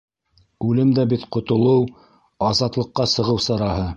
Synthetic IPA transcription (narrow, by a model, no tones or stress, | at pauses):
ʉlɘmd̪æbit̪qŏt̪ŏlˠɤw | ɑzɑt̪lˠɤ̆qːɑsɤ̆ʁɤwsɑɾɑhɤ